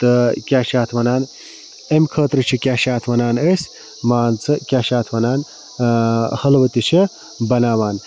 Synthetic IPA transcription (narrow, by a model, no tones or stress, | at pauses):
t̪ɨkʲaːʃaːt̪ʰʋɐnaːn | emkʰəːt̪ɾɨt͡ʃʰikʲaːʃaːt̪ʰʋɐnaːnəsʲ | maːnt͡sʰɨkʲaːʃaːt̪ʰʋɐnaːn | hɐlʋɐt̪it͡ʃʰi | bɐnaːʋaːn